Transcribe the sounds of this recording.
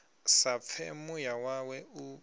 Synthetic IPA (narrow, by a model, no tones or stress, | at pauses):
sap̪fʰɛmujawawɛu